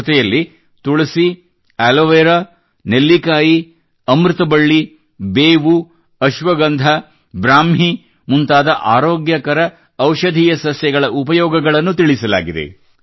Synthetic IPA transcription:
t̪ɛjɐlːi | t̪uɭɐsi | æːloʋeːɾa | nelːikaːji | ɐmɾit̪ɐbɐɭːi | beːʋu | ɐʃʋɐɡɐnd̪ʱɐ | bɾaːmɦi | munt̪aːd̪ɐʔaːɾoːɡjɐkɐɾɐː | wʃɐd̪ʱiːjɐsɐsjɐɡɐɭɐʔupɐjɔːɡɐɡɐɭɐnːut̪iɭisɐla̰ːɡid̪ḛ

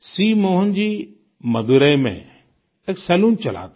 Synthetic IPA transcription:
siːmõːɦʊnɪ̆d͡ʑiː | mɐd̪ʱuɾəimḛ̃ | eksɛːluːnt͡ɕɐl̤a̰ːt̪ː

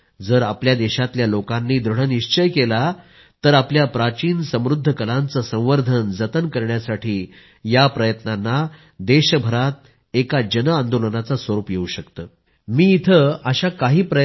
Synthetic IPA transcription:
d͡zəɾapljad̪eɕat̪ljalokanːiːd̪ɾəɽəniɕt͡ɕəjkela | t̪əɾapljapɾat͡ɕiːnsə̃mɾud̪ʱːəkəlant͡səsə̃w̃ʋəɾd̪ʱənd͡zət̪ənkəɾɳjasaʈʰiː | japɾəjət̪nanːa | d̪eɕəbʱəɾat̪̚ | ekad͡ʑənəãnd̪olənat͡sasʋəɾuːpjeuɕəkt̪əː | miːit̪ʰəəɕakaɦiːpɾə

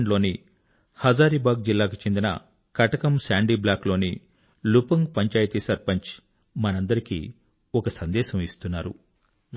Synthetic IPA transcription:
ɳlo̞ːni | hɐd͡ʒaːɾibaːɡ̚d͡ʒilːaːk̬ut͡ʃe̞nd̪inɐ̰ | kɐʈɐkɐmsaːɳɖiːblaːklo̞ːni | lupɐŋɡpɐɲt͡ʃaːjt̪isɐɾpɐɲt͡ʃ | mɐnɐnd̪ɐɾikḭː | ɔkɐsɐnd̪ɛːʃɐmist̪unːaːɾṵ

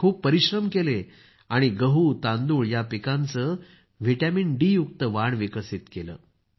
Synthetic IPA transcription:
kʰuːp̚pəɾiɕɾəmkele | aɽ̃iɡəɦut̪ãnd̪uːɭjapikãnt͡səː | ʋiʈæminɖiːjuk̚t̪əʋaɳʋikəsit̪kelə̰ː

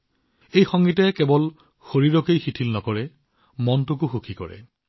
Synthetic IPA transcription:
ejxɔŋɡitɛkɛbɔl | xoɹiɹɔkejxitʰilnɔkɔɹɛ | mɔntʊkʊxukʰikɔ̰ɹɛ̰

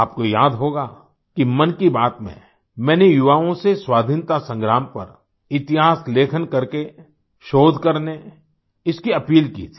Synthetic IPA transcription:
aːp̚kojaːd̪ɦoːɡa | kimɐnkibaːt̪mḛ̃ | mɛ̃ːnejʊʋaːõseswaːd̪ʱɪnt̪asə̃ŋɡɾaːmpɐ̰ɾ | ɪt̪ɪɦaːsleːkʰənkɐɾke | ʃoːd̪ʱkɐɾne | ɪskiɐpiːlkḭːt̪ʰi̥

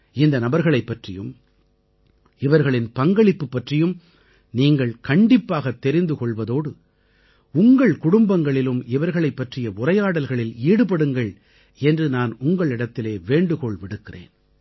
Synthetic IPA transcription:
ɪnd̪ɐnɐbɐɾɣɐɭɐɪpːɐʈrɪjɯ̰m | ɪʋɐɾɣɐɭɪnpɐŋɡɐɭɪpːɯpːɐʈrɪjɯm | niːŋɡɐɭkɐɳɖɪpːaːɣɐt̪ːɛɾɪnd̪ɯkɔɭʋɐðoːɽɯ | ʊŋɡɐɭkʊɽʊmbɐŋɡɐɭɪlɯmɪʋɐɾɣɐɭɐɪpːɐʈrɪjɐʊrɐjaːɽɐlɣɐɭɪliːɽɯpɐɽɯŋɡɐɭ | ɛndrɯnaːnʊŋɡɐɭɪɽɐt̪ːɪleːʋeːɳɖɯkɔɭʋɪɽɯkːɪrḛːn

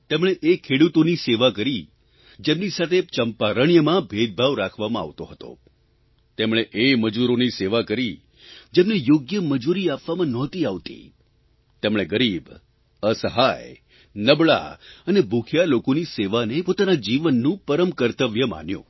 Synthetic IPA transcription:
t̪emɳ̃eʔekʰːeɽut̪oniseʋakəɾi | d͡ʒemnisat̪ʰet͡ʃəmpaɾəɳjəmãbʱed̪̚bʱaʋɾakʰʋamãa̰ʋt̪oɦət̪o̰ | t̪emɽ̃eʔeməd͡ʒuɾoniseʋakəɾi | d͡ʒemnejoɡjəməd͡ʒuɾiapʋamãnɔt̪iaʋt̪ḭ | t̪emɽ̃eɡəɾib | əsəɦaj | nəbɭa̰ənebʱukʰjalokoniseʋanepot̪anad͡ʒiʋənːũpəɾəmkəɾt̪əʋjəma̰njõ̰

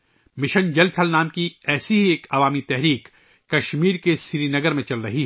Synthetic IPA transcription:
mɪʃə̃nd͡ʒɐlʈ̪ʰɐlnaːmkiɛːsiɦieːkɐʋaːmit̪ɛɦɾiːk | kɐʃmiːɾkesɪɾinɐɡəɾmẽt͡ʃɐlɾɐɦiɦɛ

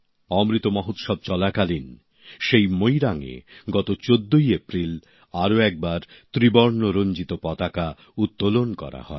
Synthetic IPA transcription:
ɔmɾit̪omɔɦot̪ʃɔb̚t͡ɕɔlakalin | ʃejmojɾaŋḛɡɔt̪ot͡ɕod̪ːojepɾil | aɾoɛk̚baɾt̪ɾibɔɾnoɾond͡ʑit̪opɔt̪aka | ut̪ːolonkɔ̰ɾa̰hɔe

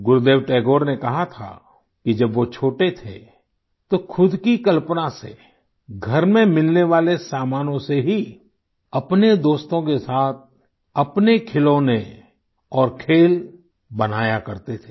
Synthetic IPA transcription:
ɡʊɾd̪eːʋʈɛːɡoːɾnekɐɦat̪ʰa̰ | kid͡ʒɐbʋot͡ʃʰoːʈet̪ʰḛ | t̪okʰʊd̪ʱkikɐlpnase | ɡʱɐɾmẽmɪlneʋaːlesaːmaːnõseɦi | ɐpned̪oːst̪õkesaːt̪̚ʰ | ɐpnekʰɪlõːne | ɔːɾkʰeːl | bɐnaːjakɐɾt̪et̪ʰe̥ː

